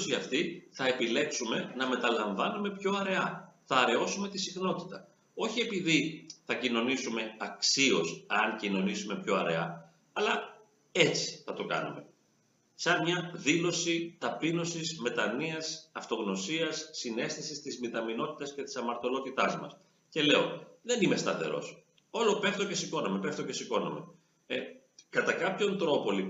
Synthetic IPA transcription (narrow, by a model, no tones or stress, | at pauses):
siɐft̪iθɐe̞pile̞ksume̞nɐme̞t̪ɐlɐɱvɐnume̞pço̞ɐɾe̞ɐθɐːɾe̞o̞sume̞t̪isixno̞t̪i̥t̪ɐ | o̞çie̞piðiθɐcino̞nisume̞ɐksio̞sɐŋcino̞nisume̞pço̞ɐɾe̞̰ɐ | ɐlɐ | e̞t͡si̥θɐt̪o̞kɐ̰nṵme̞ | sɐmmɲɐðilosit̪ɐpino̞sizme̞t̪ɐniɐsɐft̪o̞ɣno̞siɐsːine̞sθesist̪izmit̪ɐmino̞t̪i̥t̪ɐsce̞t̪i̥sɐmɐɾt̪o̞lo̞t̪it̪ɐzmɐ̰s | ce̞le̞o̞̰ðe̞nime̞st̪ɐθe̞ɾo̞̰s | olo̞pe̞ft̪o̞ce̞siko̞nome̞peft̪oce̞siko̞no̰me̞̰ | e | kɐt̪ɐkɐpço̞nt̪ɾo̞po̞lip